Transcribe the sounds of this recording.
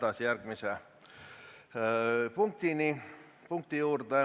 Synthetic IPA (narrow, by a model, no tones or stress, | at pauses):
t̪ɑsjærkmisæ | puŋk̚t̪ini | puŋk̚t̪ijuːrt̪e